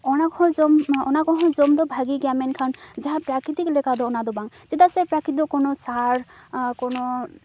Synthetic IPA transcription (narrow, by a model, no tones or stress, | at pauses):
ɔnakɔɦɔ̃d͡ʒɔmɔnakɔɦɔ̃d͡ʒɔmd̪ɔbʱaɡiɡamɛnkʰand͡ʒaɦãpɾakɾit̪iklɛkad̪ɔɔnad̪ɔbaŋt͡ʃed̪asɛpɾakɾit̪id̪ɔkɔnɔsaɾ | kɔnɔ